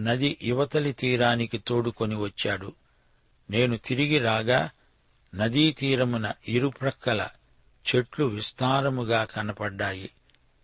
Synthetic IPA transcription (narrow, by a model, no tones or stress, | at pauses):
nɐd̪iʔiʋɐt̪ɐlit̪iːɾaːnikit̪oːɽuko̞niʋɐt͡ʃːaːɽu | ne̞ːnut̪iɾiɡiɾaːɡaː | nɐd̪iːt̪iːɾɐmunɐiɾupɾɐkːɐlɐ̰ | t͡ʃe̞ʈluʋist̪aːɾɐmuɡaːkɐnɐpɐɖːaːjḭ